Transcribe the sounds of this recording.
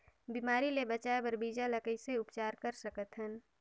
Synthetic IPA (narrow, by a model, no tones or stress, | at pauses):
biːmaːɾilebət͡ʃaːebəɾbiːd͡ʒaləkəiseʊpt͡ʃaːɾkɐɾsəkət̪ɦən